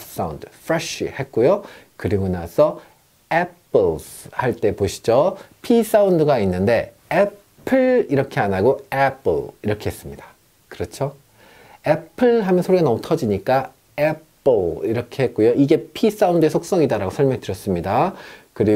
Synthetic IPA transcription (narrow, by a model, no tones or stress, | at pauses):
s͈aundɯfʰɾeɕḭhe̞t̚k͈ojo | kɯɾiɡonasʰʌ | epʰɯɭs | haɭt͈e̞poɕʰi̥d͡ʑopʰis͈aundɯɡainːɯnde̞ | e | pʰɯɭiɾʌkʰe̞anaɡoepʰɯɭiɾʌkʰeɦes͈ɯmɲida | kɯɾʌt͡ɕʰo | epʰɯɭɦamjʌnsʰoɾiɡanʌmutʰʌd͡ʑiɲik͈a | epʰɯɭiɾʌkʰe̞het̚k͈ojoʔiɡe̞pʰis͈aundɯe̞sʰok̚s͈ʌŋidaɾaɡosʰʌɭmjʌŋitɯɾjʌs͈ɯmɲidakɯɾi